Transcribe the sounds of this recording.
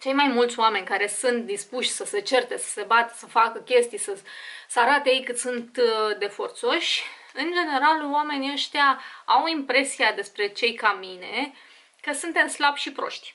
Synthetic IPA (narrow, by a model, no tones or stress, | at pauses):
t͡ʃe̞jmajmult̪sʲoame̞nʲkaɾe̞sunt̪̚d̪ispuʃʲsəse̞t͡ʃe̞rt̪e̞sə̥se̞bat̪ə̥səfakəkʲe̞st̪ijsəsəaɾat̪ejejkɨt̪sunt̪d̪e̞fo̞rt̪so̞ʃʲ | ɨnd͡ʒe̞ne̞ɾalwame̞niəʃt̪ʲjaawimpɾe̞siad̪e̞spɾe̞t͡ʃe̞jkamine̞ | kəsunt̪e̞mslabʃipɾo̞̰ʃt̪ʲ